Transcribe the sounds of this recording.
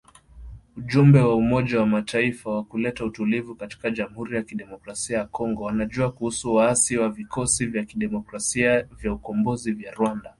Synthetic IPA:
uʄumbɛwaumɔʄawamatʰaifawakulɛtautulivukati̥kaʄamuhuɾijakiɗɛmɔkɾasiajakɔŋɡɔwanaʄuakuhusuwaasiwavikɔsivjakiɗɛmɔkɾasiavjaukɔmbɔzivjaɾwanda

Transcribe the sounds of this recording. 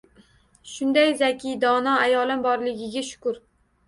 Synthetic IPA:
ʃʊnd̪ajzakʲʰijd̪ɒnɒajɒlˠɪmbɒɾlɪɡʲɪɡʲaʃʊ̥kʊɾ

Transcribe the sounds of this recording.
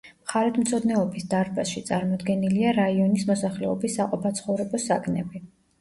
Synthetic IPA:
mχaɾɛt̪ʰmt̪sʰɔd̪nɛɔbisd̪aɾbasʃit̪sʼaɾmɔd̪ɡɛniliaɾaiɔnismɔsaχlɛɔbisːaqʼɔpʰat̪sʰχɔvɾɛbɔsakʼnɛbi

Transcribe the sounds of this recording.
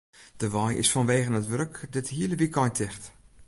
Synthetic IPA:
d̥əʋɔjʔɪ̰sfɔnʋeːɣənətʋøɾkdɪthiələʋikʰɔjntʰɪxt

